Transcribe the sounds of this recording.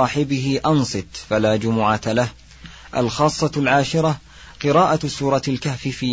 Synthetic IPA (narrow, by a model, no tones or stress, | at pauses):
ɑːħɪbɪɦɪʔɑnsˤɨt̪ˤfalaːd͡ʒʊmʊʕalah | ʔa̰lxɑːsˤːɑlʕaːʃɪɾˤɑ | qɨɾɑːʔasuːɾˤɑalkafifɪ